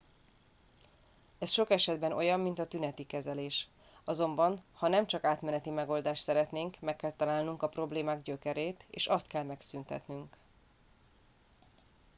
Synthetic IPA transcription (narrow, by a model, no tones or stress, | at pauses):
ɛsʃo̞kɛʃɛd̪bɛno̞̰jɒmːint̪ɒt̪ynɛt̪ikɛzɛleːʃ | ɒzo̞mbɒnhɒnɛmt͡ʃɒkaːt̪mɛnɛt̪imɛɡo̞ːld̪aːʃt̪sɛɾɛt̪neːŋkmɛkːɛlt̪ɒlaːlnuŋkɒpro̞bleːmaːɡɟø̞kɛɾeːt̪ḛːʃɒst̪kɛlmɛksynt̪ɛ̰t̪nyŋk